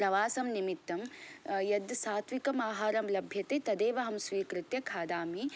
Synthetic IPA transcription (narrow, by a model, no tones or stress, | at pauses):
pɾɐʋaːsɐmnimit̪ːɐmjɐd̪saːt̪ʰʋikɐmaːɦaːɾɐmlɐbʱjɐt̪eːt̪ɐd̪eːʋɐɦɐmsʋiːkɾɪt̪jɐkʰaːd̪aːmi